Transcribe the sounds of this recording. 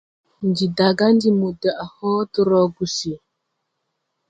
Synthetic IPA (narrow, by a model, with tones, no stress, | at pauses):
ndi˨da˨ɡa˦n˦di˦mu˨də˨ʔa˨hɔ˦tu˦ɾɔ˨ɡu˨si˨